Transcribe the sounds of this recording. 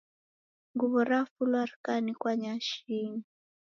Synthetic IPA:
ŋɡuβɔɾafulwaɾkanikwaɲaʃiŋi

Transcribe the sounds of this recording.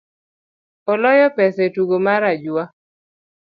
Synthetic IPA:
ɔlɔjɔpɛsɛtuɡomaɾad͡ʒa

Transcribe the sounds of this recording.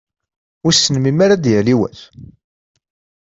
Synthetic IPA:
ʊɾsːənmimaɾad̪jæliwæ̰θ

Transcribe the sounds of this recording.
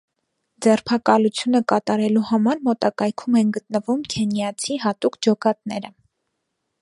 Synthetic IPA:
d͡zɛrpʰɑkɑlut͡sʰjunəkɑt̪ɑɾɛluhɑmɑɾmɔt̪ɑkɑjkʰumɛnɡət̪nəvumkʰɛnjɑt͡sʰiɦɑt̪ukʰd͡ʒɔkɑt̪nɛɾə

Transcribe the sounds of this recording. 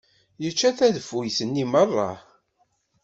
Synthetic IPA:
jət͡ʃːæθæðəfujθənːimərˤːɑ̰

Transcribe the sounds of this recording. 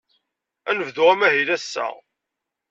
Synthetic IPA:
ænəvðuʁæmæɦilæsːæ̰

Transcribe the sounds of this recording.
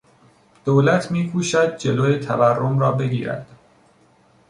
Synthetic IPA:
d̪̥oːlæt̪ʰmiːkʰuːʃæd̪̚d͡ʒe̞loːjet̪ʰæværːomɾɒːbe̞ɡʲḭːɾæ̰d̪̥

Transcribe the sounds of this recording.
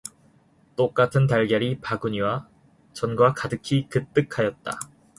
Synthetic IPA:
t͈ok͈atʰɯntaɭɡjʌɾipaɡuɲiwa | t͡ɕʌnɡwakadɯkʰikɯt͈ɯkʰajʌt̚t͈a̰

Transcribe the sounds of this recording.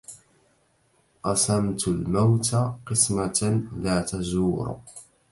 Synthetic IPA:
qɑsamt̪lmawt̪aqɨsmalaːt̪azuːɾ̰

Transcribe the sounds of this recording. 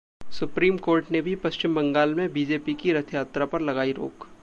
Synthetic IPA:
sʊpɾiːmkoːɾʈnebʱipɐʃt͡ʃɪmbɐ̃ŋɡaːlmẽbiːd͡ʒeːpikiɾɐt̪ʰjaːt̪ɾapɐɾlɐɡaːiɾo̰ːk

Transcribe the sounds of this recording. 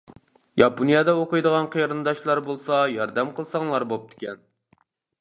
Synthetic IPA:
jɑponijɑd̪ɛoqɨjd̪əʁɑnqʰejɾɨnd̪ɑʃlˠɑɾbolˠsɑjɑɾd̪ɛmqəlˠsɑŋlˠɑɾbop̚t̪ʰɪ̥kʲɛn

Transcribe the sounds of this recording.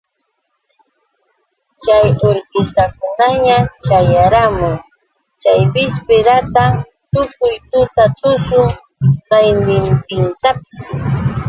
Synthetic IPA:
t͡ʃajoɾkɪst̪ak̚ʊnaɲat͡ʃajaɾamʊŋ | t͡ʃajbɪspɪɾat̪a | t̪ʊkʊjt̪ʊt̪at̪ʊsʊŋ | qɑjnɪnt̪ɪnt̪apɪ̥s

